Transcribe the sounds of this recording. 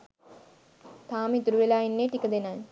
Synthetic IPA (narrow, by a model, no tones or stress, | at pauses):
t̪aːmit̪uɾuʋelaːinːeːʈikəd̪enaj